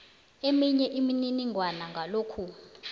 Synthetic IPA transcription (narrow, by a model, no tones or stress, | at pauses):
emiɲɛʔimininiŋʱwanaŋɡʱaloːkʰu